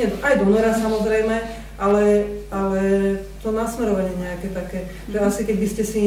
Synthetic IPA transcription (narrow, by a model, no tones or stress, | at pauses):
ɛajd̪ɔmɛɾasamɔzɾɛjmɛ | ʔalɛalɛt̪ɔnasmɛɾɔʋaɲɪɛɲɛakɛt̪akɛː | ʒɛasikɛɟbiscɛsi